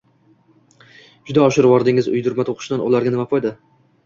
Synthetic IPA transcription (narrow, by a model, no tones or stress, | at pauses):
d͡ʒʊd̪aɒʃɪɾvɒɾd̪ɪŋɪzʊ̰jd̪ʊɾmat̪ʰoqʰʊ̥ʃd̪anʔɒ̰lˠaɾɡʲanɪmapʰɒjd̪ɪ